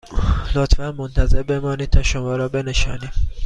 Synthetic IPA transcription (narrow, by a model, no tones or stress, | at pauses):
lot̪ʰfænmont̪ʰæze̞ɾbe̞mɒːniːd̪̚t̪ʰɒːʃomɒːɾɒːbe̞ne̞ʃɒ̰ːniːm